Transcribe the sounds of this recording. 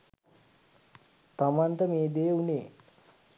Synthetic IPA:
t̪amanʈəmeːd̪ejuneː

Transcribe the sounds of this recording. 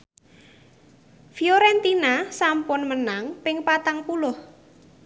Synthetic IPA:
fioɾɛnt̪inasampʊnmənaŋpɪŋpat̪aŋpulʊh

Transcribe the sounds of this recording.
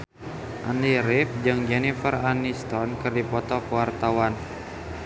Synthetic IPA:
ʔaniɾɪp̚d͡ʒɨŋd͡ʒɛnifəranist̪ɔnkɨrdipɔt̪ɔkuwart̪awan

